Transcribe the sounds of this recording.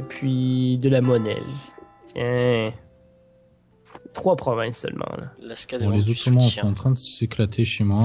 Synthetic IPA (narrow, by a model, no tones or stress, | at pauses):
pʰɥid̪əlamɔnɛ̰z | t̪jɛ̃ | t̪χwapχɔvɛ̃sœ̰lmʔɑ̰̃la̰bɔ̃lezuimɑ̃sɔ̃ɑ̃t̪χɛ̃d̪əseklat̪ʰeʃemwa